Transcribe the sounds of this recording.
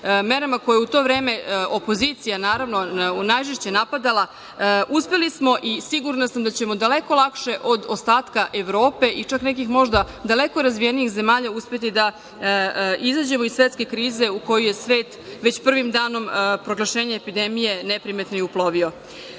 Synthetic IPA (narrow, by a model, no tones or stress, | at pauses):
me̞ɾamako̞jeut̪o̞ːʋɾe̞ːme̞ʔo̞po̞ziːt̪sijanaːɾaʋno̞najʒeʃt͡ɕe̞napad̪alˠa | ʔuspe̞lismo̞ʔisiɡuɾnasamd̪at͡ɕe̞mo̞d̪ale̞ko̞lˠakʃe̞ʔod̪ost̪aːt̪kaʔeʋɾo̞ːpe̞ʔit͡ʂakne̞k̬ixmo̞ʒd̪a | d̪ale̞ko̞ɾazʋijeniixze̞maːʎauspe̞t̪id̪a | izaːd͡ʑe̞moisʋet̪ske̞kɾiːze̞uko̞juje̞sʋe̞ːt̪ʋet͡ɕpr̩ʋimd̪aːno̞mpɾo̞ɡlˠaʃe̞ːɲeːpid̪emije̞nepɾimet̪noiuploʋio̞